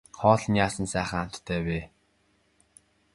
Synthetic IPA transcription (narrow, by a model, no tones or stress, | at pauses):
χɔːɮnjaːsə̆nsæːχə̆ŋamt̪t̪ʰːæːweː